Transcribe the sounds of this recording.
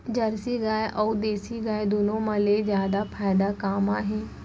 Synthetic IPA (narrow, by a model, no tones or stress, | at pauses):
d͡ʒɐɾsiɡaːeʔɔːd̪eːsiɡaːed̪oːnõmɐlezjaːd̪apʰaːɪd̪akaːmãɦɛ̃ː